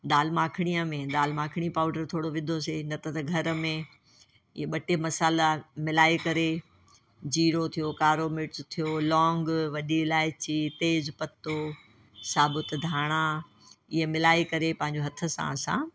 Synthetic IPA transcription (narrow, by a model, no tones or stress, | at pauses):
ɗ̪aːlmãːkʰɽ̃ijamẽɗ̪aːlmãːkʰɪɽ̃ipaːʊɖəɾt̪ʰoːɽoʋɪ̃d̪ʱos̬enɐt̪ɐt̪ɐɡʱɐɾə̆mẽ | ɪ̰ɦeɓɐʈʰemɐsaːlamɪlaːikɐɾe | d͡ʑiːɾot̪ʰijokaːɾoːmɪʈst̪ʰijolɔ̃ːŋɡʋɐɗiɪlaːɪt͡ɕit̪eːzpɐt̪o | saːbɪt̪d̪ʱaːɽ̃a | ɪɦemɪlaːikɐɾepɐ̃ɦɪ̃ɲ̆d͡ʑoɦɐt̪ʰə̆sã̰ɐsã̰ː